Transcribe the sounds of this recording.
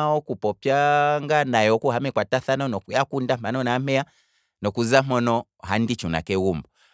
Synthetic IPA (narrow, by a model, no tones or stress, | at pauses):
ɔkupɔpjaŋɡanajɔkuhamɛkwataθanɔnɔjakundamanɔnam̥ɛa | nɔkuzamɔnɔ | handit͡ʃuna̰kɛwumbɔ